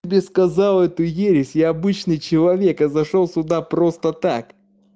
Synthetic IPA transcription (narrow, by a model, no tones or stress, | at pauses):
ɪbʲeskɐzalˠɛt̪ʊjeɾʲɪsʲjɪɐbɨt͡ɕnɨjt͡ɕɪlˠɐvʲekɨzɐʂolˠsʲʊd̪apɾo̞st̪ət̪ak